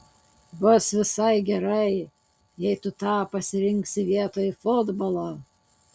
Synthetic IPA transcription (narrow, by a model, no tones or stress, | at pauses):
bʊsʋʲɪsɐɪɡʲɛɾɐɪ | jɛɪt̪ʊt̪ɑːpɐsʲɪɾʲɪŋksʲɪʋʲiɛt̪oːjfʊd̪bolˠoː